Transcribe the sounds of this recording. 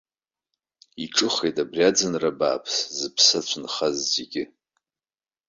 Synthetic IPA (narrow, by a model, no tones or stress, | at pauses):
iʈ͡ʂʼɨχejtʼabriad͡zɨnraba̰ːpʰszɨpʰsat͡ɕʷʰʊnχazzeɡʲɪ